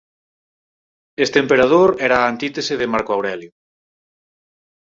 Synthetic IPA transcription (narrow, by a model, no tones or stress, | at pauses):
est̪empeɾaðoɾɛɾaːnt̪it̪eseðemaɾkoawɾɛljo